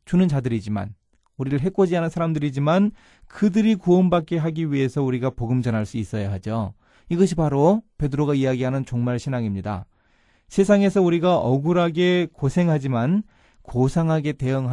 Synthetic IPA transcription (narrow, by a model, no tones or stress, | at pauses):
t͡ɕunɯnt͡ɕadɯɾid͡ʑima̰n | uɾiɾɯɭɦek͈od͡ʑianɯnsʰaɾamdɯɾid͡ʑiman | kɯdɯɾikuʌnbak͈e̞ɦaɡiɥiɦe̞sʰʌuɾiɡapoɡɯmd͡ʑʌnaɭs͈uis͈ʌjaɦad͡ʑo | iɡʌɕ̬ʰipaɾope̞dɯɾoɡaijaɡiɦanɯnt͡ɕoŋmaɭɕʰinaŋimɲida̰ | sʰe̞sʰaŋe̞sʰʌuɾiɡaʔʌɡuɾɦaɡe̞kosʰe̞ŋɦad͡ʑiman | kosʰaŋɦaɡe̞te̞jɯŋɦa